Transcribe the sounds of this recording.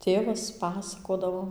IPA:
ˈtʲeːʋɐs ˈpɑːsɐkoːdɐʋoː

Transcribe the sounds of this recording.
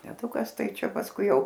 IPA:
tʲɛˈtʊkɐs ˈtɐɪ ˈt͡ʃʲɛ pɐsˈkʊɪ ˈjɛʊ

